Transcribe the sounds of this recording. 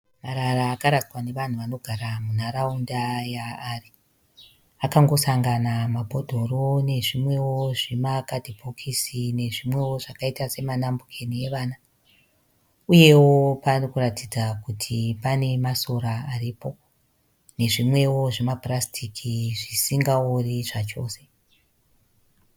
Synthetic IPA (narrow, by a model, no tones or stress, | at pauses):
maɾaraːkaɾawane̞ʋan̤uʋano̞ɡʱaɾamun̤aɾaundajaːri | akaŋɡo̞saŋɡanamabʱo̞dʱo̞rone̞ʐimwe̞wo̞ʐemakadʱibʱokʰisine̞ʐimwe̞wo̞ʐakaitase̞manambukʰe̞nije̞ʋaːna | uje̞wo̞parokuratid͡zakutʰipane̞maso̞ɾaːriːpo̞ | ne̞ʐimwe̞wo̞ʐemaprastʰikʰiʐisiŋɡaoriʐat͡ʃo̞ːse̞